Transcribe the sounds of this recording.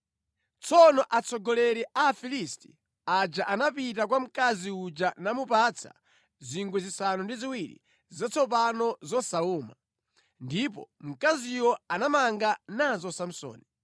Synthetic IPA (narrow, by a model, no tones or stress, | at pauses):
t͡sʰɔnɔʔat͡sʰɔɡɔlɛɾɛʔaːfilisti̥ | ad͡ʒaʔanapit̬ak̬wam̩kaziud͡ʒanamupat͡sʰa̰ | ziŋɡwɛzisanundiziwiɾḭ | zat͡sʰɔp̬anɔzɔsauːma̰ | ndipɔ̰m̩kaziwɔanamaŋɡanazɔsam̩sɔ̰ːni